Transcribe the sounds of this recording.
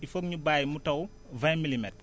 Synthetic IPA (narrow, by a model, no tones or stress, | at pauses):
ifok̚ɲubaːjmutɐw | vajmilimɛt̚